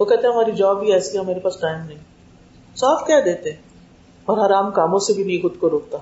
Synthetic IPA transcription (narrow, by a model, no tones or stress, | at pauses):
ʋoːkɛɦt̪ẽɦɛ̃ɦmaːɾid͡ʒɔːbːiɛːsiaɦmeːɾepaːsʈaːɪmnɐɦĩː | saːfkjaːd̪eːt̪eɦɛ̃ː | ɐɾɦɐɾaːmkaːmõsebʱibixʊd̪koɾoːk̚t̪a